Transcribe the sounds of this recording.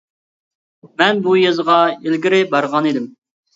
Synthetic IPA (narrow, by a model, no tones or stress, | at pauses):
mɛnbujɑzəʁɑelɡʲiɾɪbɑɾʁɑnid̪ɪm